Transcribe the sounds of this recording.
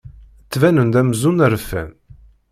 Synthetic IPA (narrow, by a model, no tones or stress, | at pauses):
t͡sːvænənd̪æmzunæɾəfːæ̰n